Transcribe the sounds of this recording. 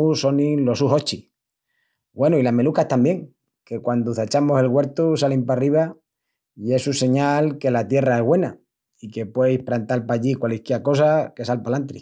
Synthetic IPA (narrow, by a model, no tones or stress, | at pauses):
uso̞nĩlo̞suɦot͡ʃi | ɡwe̞nuilame̞lukat̪ambje̞ŋ | ke̞kwand̪uθat͡ʃamose̞lɣwe̞ɾt̪usalimpariβ̞a | ie̞suse̞ɲalke̞lat̪je̞rae̞ɦɣwe̞na | ike̞pwe̞jhpɾant̪alpaʎikwalikeako̞sake̞salpalant̪ɾḭ